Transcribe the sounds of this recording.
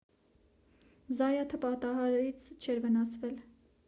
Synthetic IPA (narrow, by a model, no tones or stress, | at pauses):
zɑjɑt̪ʰəpɑt̪ɑɦɑɾɛɾit͡sʰt͡ʃʰɛɾvənɑsvɛl